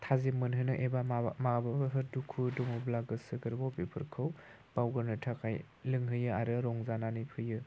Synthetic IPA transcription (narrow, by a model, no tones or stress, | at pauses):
tʰazimɯnɦɯnɯʔebamababɯɦɯɾdukʰudomublaɡɯsɯɡɯɾbɔpipʰɯ̰ɾkʰɯw | b̥awɡɯɾnɯtʰakʰaj | lɯŋɦɯjɯaɾɯɾɔŋzananipʰɯjɯ